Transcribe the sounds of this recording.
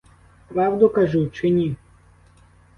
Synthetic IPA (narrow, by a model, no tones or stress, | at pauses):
pɾɑwd̪ʊkɐʒut͡ʃɪnʲi